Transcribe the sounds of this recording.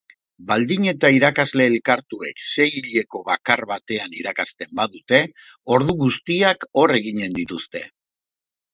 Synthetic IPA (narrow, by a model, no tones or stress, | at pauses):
bald̪iɲe̞t̪aiɾakazle̞ːlkaɾt̪ue̞kse̞jiʎe̞ko̞βakaɾβat̪e̞aniɾakast̪e̞mbaðut̪e̞ | o̞ɾðuɣust̪iako̞re̞ɣiɲe̞nd̪it̪ust̪e̞̰